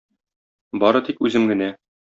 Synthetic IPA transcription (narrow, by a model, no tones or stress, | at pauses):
bɒɾɤt̪ikʉzɘmɡɘ̆næ